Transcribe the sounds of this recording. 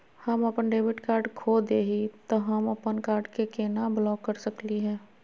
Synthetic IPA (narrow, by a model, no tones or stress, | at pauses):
həməpənɖeːbɪʈkaːɾɖkʰod̪eɦit̪ɔɦəməpənkaːɾɖkekenablɔːkːəɾsəkliɦɛ̃ː